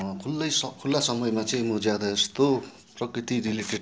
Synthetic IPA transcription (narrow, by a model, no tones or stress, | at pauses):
kʰulːʌjsʌkʰulːasʌmʌjmat͡sʌĩmud͡zjad̪ʌest̪o | prʌkrit̪iɾileʈe